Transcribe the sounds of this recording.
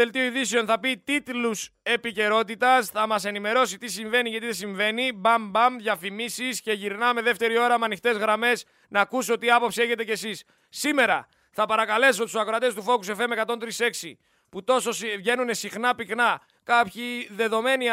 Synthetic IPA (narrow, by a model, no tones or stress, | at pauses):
e̞lt̪ioiðiseo̞nθɐpit̪it̪luse̞pice̞ɾo̞t̪̬it̪ɐsθɐmɐse̞nime̞ɾo̞sit̪isiɱve̞niʝɐt̪iðe̞siɱve̞nibɐmbɐmðʝɐfimisisce̞ʝiɾnɐme̞ðe̞ft̪e̞ɾio̞ɾɐmeɐnixt̪e̞zɣɾɐme̞s | nɐːkusot̪iɐpo̞psie̞çe̞t̪e̞cesisː | ime̞ɾɐ | θɐpɐɾɐkɐle̞sot̪ussɐkoɾɐt̪e̞st̪ufo̞kuse̞fe̞mekɐt̪o̞nt̪ɾise̞ksi | put̪o̞so̞svʝe̞nune̞sixnɐpiknɐ | kɐpçiðe̞ðo̞me̞ni